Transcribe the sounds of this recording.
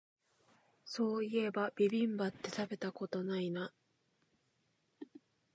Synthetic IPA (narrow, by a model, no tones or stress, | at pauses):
so̞ːie̞bab̥ʲibʲĩmbat̪ːe̞t̪abe̞t̪ako̞t̪o̞naina